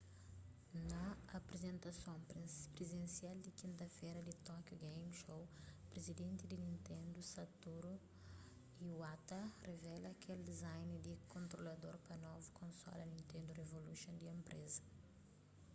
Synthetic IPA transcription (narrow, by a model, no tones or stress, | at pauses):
nɐːpɾezẽnt̪ɐsõpɾezẽnsiald̪ikĩnt̪ɐfejɾɐd̪it̪ɔkjoɡejmʃowpɾezid̪ẽnt̪id̪ɪnĩnt̪ẽnd̪usɐt̪uɾu | iwat̪ɐrevɛlɐːkʰeld̪ezajnid̪ikõnt̪ɾolɐd̪oɾpɐnɔvukʰõnsɔ̰lɐnĩnt̪ẽnd̪urevolusõnd̪iẽmpɾʔezɐ